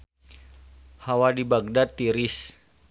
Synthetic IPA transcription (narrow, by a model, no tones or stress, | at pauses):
hawadibaɡ̚dat̪ːiɾis